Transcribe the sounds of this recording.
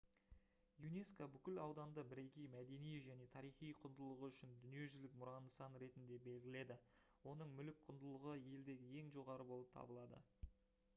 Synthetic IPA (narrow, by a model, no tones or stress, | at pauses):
june̞skabʏkʲɪlɑwd̪ɑnd̪əbɪɾe̞kʲijmæd̪e̞nijʒæne̞t̪ʰɑɾijχijqʰʊnd̪əlˠəʁəʏʃɪnd̪ʏnije̞ʒʏzlɪk̚mʊɾɑnəsɑnɾe̞t̪ɪnd̪e̞be̞lɡʲɪle̞d̪ɪ | wo̞nəɴmʏlɪk̚qʰʊnd̪əlˠəʁəje̞ld̪e̞ɡʲɪje̞ŋʒo̞ʁɑɾəbo̞lˠəp̚t̪ʰɑ̰bəlˠɑd̪ə̰